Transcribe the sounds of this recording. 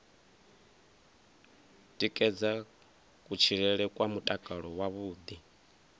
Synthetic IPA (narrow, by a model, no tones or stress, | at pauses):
tʼikʼɛd͡za | kʼut͡ʃʰiɺɛɺɛkʼwamutʼakʼaɺɔwaβuːd̪i